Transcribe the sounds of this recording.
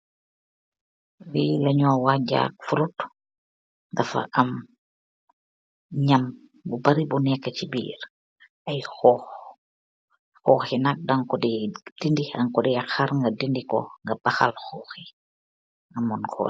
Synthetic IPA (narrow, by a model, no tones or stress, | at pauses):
wilɐɲɔːwaɟa̰k̚fuɾut | dafa̰ʔam | ɲam | bubaɾibunɛkːat͡ʃibḭːɾ | ʔajxɔx | xɔːxinak̚daŋkɔdid̥indiaŋkɔdiaxaɾŋɡadindikɔ̰ŋɡabaxalxɔːxi | amɔnkʰɔ̰